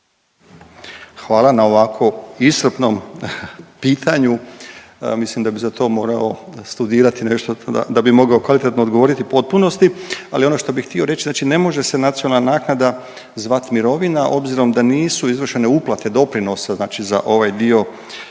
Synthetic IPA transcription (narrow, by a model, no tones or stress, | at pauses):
xʋaːlˠanao̞ʋakʰo̞isr̩pno̞m | piːt̪ʰaɲu | mislimd̪abizat̪ʰo̞ːmo̞ːɾao̞st̪ud̪iːɾat̪ineʃt̪oa̰d̪abimo̞ɡao̞kʋalit̪et̪nod̪ɡo̞ʋo̞ɾit̪ipo̞t̪̚puno̞st̪ialio̞no̞ʃt̪o̞bixt̪io̞ɾe̞t͡ʃiznaːt͡ʃine̞mo̞ʒe̞se̞nat̪sionalnanaːknad̪a | zʋat̪miɾo̞ʋinaʔo̞bziɾo̞md̪aniːsuizʋr̩ʃe̞neuplˠat̪e̞d̪o̞pɾino̞saznaːt͡ʃiza̰ʔo̞ʋajd̪io̞